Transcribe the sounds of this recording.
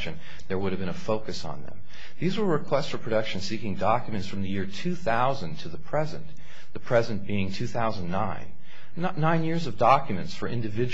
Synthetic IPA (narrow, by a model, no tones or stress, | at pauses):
ʃɨ̃n | ðə˞wʊɾɨvbɨ̃ñəfoʊkɨsn̩ðə̰̃m | ðizwə˞ɹɨkʰw̥ɛstsfə˞pʰɹ̥ɨdʌkʃɨ̃nsikɪ̃ŋdɑkjɨmɨ̃ntsfɹʌ̃mðɨjɪɹtʰʉθaʊzɨ̃ntʰɨðəpʰɹ̥ɛzɨ̰̃n | ðɨpʰɹ̥ɛzɨ̃nb̥iɪ̃ŋtʰʉθaʊzə̃n̩ːãɪ̃n | tⁿnãɪ̃njɪɹzʌvdɑkjɨmɨ̃ntsfə˞ʔɪ̃ndɨvɪd͡ʒ